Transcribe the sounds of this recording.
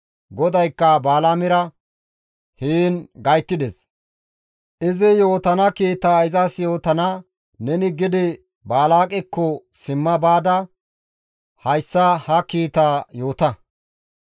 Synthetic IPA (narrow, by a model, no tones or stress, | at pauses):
ɡɔd̪ɐjkːɐbaːlaːmɪɾɐ | hiːnɡɐjt̪ːɪd̪ɛs | ʔɪzɪjo̞ːt̪ɐnɐkiːt̪aːɪzɐsjo̞ːt̪ɐnɐ | nɛnɪɡɪd̪ɪ | baːlaːkʼɛkːɔ | sɪmːɐbaːd̪ɐ | hɐjsːɐhɐkiːt̪aːjo̞ːt̪ɐ